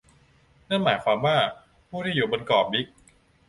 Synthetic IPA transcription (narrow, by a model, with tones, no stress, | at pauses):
na˥˩nmaː˩˦jkʰwa˧mwaː˥˩ | pʰuː˥˩da˥˩juː˨˩bo˧nkɔː˨˩p̚bi˦˥k̚